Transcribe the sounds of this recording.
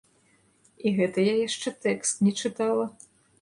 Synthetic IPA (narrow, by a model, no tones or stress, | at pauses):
iɣɛt̪ɐjajaʂt͡ʂɛt̪ɛkst̪nʲɛt͡ʂɨt̪alˠɐ